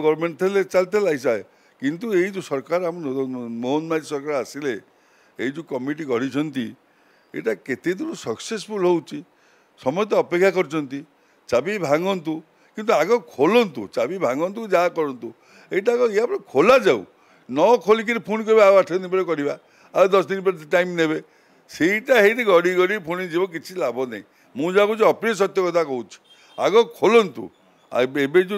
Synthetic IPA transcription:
ɡɔwɾmeɳʈt̪ʰlet͡ʃalt̪elaisae | kint̪ueid͡ʒusɔɾkaɾamɔnmoɦnmad͡ʒisɔɾkaɾasile | eid͡ʒukɔmiʈ̬ikɔɽit͡ʃʰɔnt̪i | ḛʈaket̪ed̪uɾusɔksespulɦowt͡ʃʰi | sɔmɔjt̪̬ɔɔpekʰːjakɔɾit͡ʃʰɔnt̪i | t͡ʃabibʱaŋɔnt̪u | kint̪uaɡɔkʰolɔnt̪ṵt͡ʃabibʱaŋɡɔnt̪ukud͡ʒakɔɾɔnt̪u | eiʈakɔiapɔɾekʰolad͡ʒaw̰ | nɔkʰolik̬iɾipʰonkɔɾibawaʈʰɔnipɔɾekɔɾiba | aɾud̪ɔsd̪inipɔɾeʈajmneβe | seiʈaɦejɾeɡɔɽiɡɔɽipʰonid͡ʒibɔk̬it͡ʃʰilabʱɔnaḭ̃ | mũd͡ʒakut͡ʃiɔpɾɔs̬ɔt̪jɔkɔt̪ʰakɔut͡ʃʰi̥ | a̰ɡɔkʰolɔnt̪ṵ | a̰ebed͡ʒu

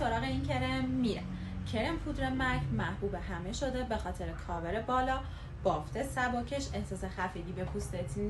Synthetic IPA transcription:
o̞ɾɒːɣeincʰe̞ɾemːiɾe | cʰe̞ɾemfʰuːd̪ɾemæɾɡmæhbuːbehæme̞ʃo̞d̪e̞be̞xɒːt̪ʰe̞ɾekʰɒːbeɾebɒːlɒː | b̥ɒːft̪ʰe̞sæbɒːcʰeʃe̞hsɒːse̞xæfiːbiːbe̞pʰust̪et̪ʰn

